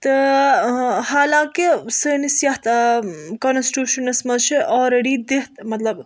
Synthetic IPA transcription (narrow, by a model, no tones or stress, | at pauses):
t̪ɨ | ɦaːlãːkisəːnisjɐɦt̪konsʈjuːʃɐnɐsmɐzt͡ʃʰiʔɔːɾeɖiːd̪eɦt̪mɐt̪lɐb